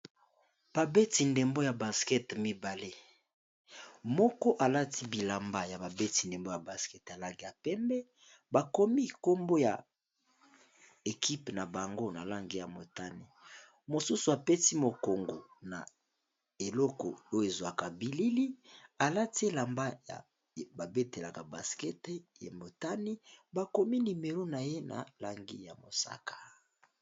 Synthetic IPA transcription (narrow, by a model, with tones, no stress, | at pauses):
b̥a˨be˦ti˨nde˨mbo˦ja˨ba˨skɛ˦tmi˦ba˨le˦ | mɔ˦kɔ˦ʔa˨la˦tʰi˦bi˨la˨mba˦ja˨ba˨be˦ti˨nde˨mbo˦ja˨ba˨skɛ˦ta˨la˦ŋɡi˦ja˨pɛ˦mbɛ˦ | ba˨ko˦mi˦ko˦mbo˦ja˨ | e˨ki˦pna˨ba˨ŋɡo˦na̰˨la˦ŋɡi˨ja˨mo˨ta˦ne˨ | mo˨su˦su˨a˨pe˦ti˦mo˨ko˨ŋɡo˨na̰˨ | e˨lɔ˦kɔ̰˨o˦jo˦˨e˨zwa˨ka˨bi˨li˦li˦a˨la˦ti˦˨la˨mba˦ja̰˨ | ba˨be˦te˨la˨ka˨ba˨skɛ˦tja̰˨mo˨ta˦ni˦ba˨ko˦mi˦ni˨me˨lo˦na˨je˦na̰˨la˦ŋɡḭ˦ja̰˨mo̰˨sa̰˦kḁ˨